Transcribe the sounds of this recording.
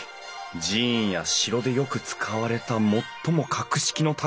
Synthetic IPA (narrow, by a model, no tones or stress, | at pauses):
d͡ʑĩjaɕiɾo̞d̪e̞jo̞kɯ̟t͡sɨ̥kʰaβaɾe̞t̪amo̞t̪ːo̞mo̞kʰakɯ̟ɕi̥kʲino̞t̪ʰa